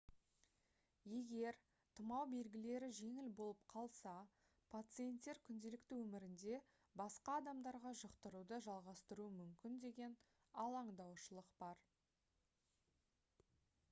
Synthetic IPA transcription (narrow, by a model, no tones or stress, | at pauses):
je̞ɡʲe̞ɾ | t̪ʰəmɑwbe̞lɡʲɪle̞ɾɪʒe̞ŋɪlbo̞lˠəp̚qʰɑlˠsɑ | pʰat̪sɨje̞nt̪ːe̞ɾkʲʰʏnd̪e̞lɪkt̪ɪwɵmɪɾɪnd̪e̞ | bɑsqɑːd̪ɑmd̪ɑɾʁɑʒəqt̪əɾud̪əʒɑlˠʁɑst̪əɾuəmʏmkʲɪnd̪e̞ɡʲe̞n | ɑlˠɑɴd̪ɑwʃəlˠəqb̥ɑɾ